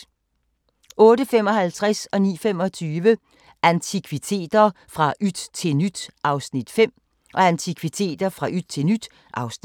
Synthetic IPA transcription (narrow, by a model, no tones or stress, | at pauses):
ɔ̽ːɾəfem̰ɒ̽ɦælt͡sʰʁasɒ̽nḭːfem̰ɒ̽t͡sʰyːʋə | ænt͡sʰikʰʋit͡sʰe̝̰ːd̥ɐ | fʁɑ̈ʔyd̥t͡sʰe̝nyd̥ʔɑ̈ʊsnid̥fem̰ | ʔɒ̽ænt͡sʰikʰʋit͡sʰe̝̰ːd̥ɐfʁɑ̈ʔyd̥t͡sʰe̝lnyd̥ | ʔɑ̈ʊsn